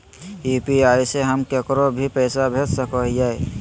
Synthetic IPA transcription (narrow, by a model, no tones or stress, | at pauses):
iːpiaːiseɦəmkekɾobʱipəːsabʱet̪səkɔɦjae